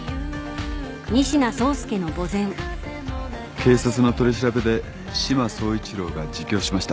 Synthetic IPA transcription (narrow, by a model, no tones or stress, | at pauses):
ɲ̟iɕinaso̞ːsɨ̥ke̞no̞ɡo̞zẽ̞ŋ | kʰe̞ːsat͡sɨno̞t̪o̞ɾʲiɕ̬iɾabe̞d̪e̞ | ɕimaso̞ːit͡ɕiɾo̞ːɡad͡ʑikʲo̞ːɕimaɕi̥t̪a